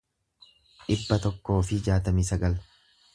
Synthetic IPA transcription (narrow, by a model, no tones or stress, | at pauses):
ᶑɪbːɐt̪ɔkːo̞ːfɪd͡ʒaːt̪ɐmiːsɐɡɐl